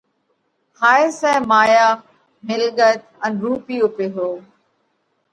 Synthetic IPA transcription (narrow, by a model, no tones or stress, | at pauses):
haːɪsɛ̃ːmaːjaː | mɪlɠət̪ | ə̃nɾuːpiːʊpeɦoː